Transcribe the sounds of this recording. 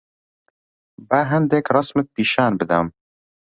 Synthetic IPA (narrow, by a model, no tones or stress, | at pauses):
bæɦɛnd̪ekrɑsmɨt̪̚piːʃaːnbɨd̪ɐm